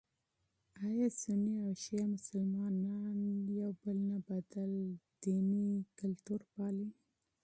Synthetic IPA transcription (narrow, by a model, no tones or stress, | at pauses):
ɑjɑsəniawʃiamʊsalmɑnanjawbəlnabad̪ald̪̥inikalt̪uɾpɑli